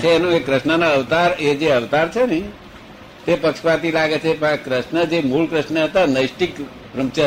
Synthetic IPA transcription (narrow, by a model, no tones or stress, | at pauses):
t͡ʃʰeenũekɾəsnənaəʋt̪aɾed͡ʒeəʋt̪aɾt͡ʃʰəni | t̪epəkʃpat̪ilaɡet͡ʃʰepakɾəsnəd͡ʒemulkɾəsnəet̪ənəjsʈik | pɾəmt͡ʃə